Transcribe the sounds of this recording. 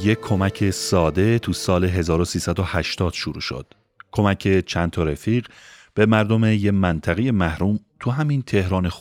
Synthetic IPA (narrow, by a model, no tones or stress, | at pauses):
jekʰːo̞mæcʰesɒːd̪e̞t̪ʰusɒːle̞ɦe̞zɒːɾosiːsæd̪ohæʃt̪ɒːd̪̥ʃuɾṵːʃo̰d̪̥ | kʰo̞mæcʰe̞t͡ʃʰænt̪ʰɒɾefiːɢb̥e̞mæɾd̪o̞me̞jemænt̪ʰæɣeje̞mæhɾuːmt̪ʰuɦæmint̪ʰe̞hɾɒːnex